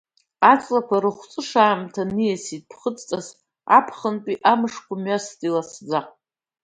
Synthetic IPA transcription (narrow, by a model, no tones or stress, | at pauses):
at͡sʼlakʷʰaɾɨχʷt͡sʼɨʂaːmtʰanɨjasit̚ʼpʰχət͡sʼt͡sʼaz | a̰pʰχəntʼiʔamɨʂkʷʰamɥastʼilasd͡za